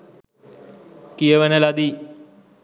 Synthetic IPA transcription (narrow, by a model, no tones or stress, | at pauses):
kijəʋənəlad̪i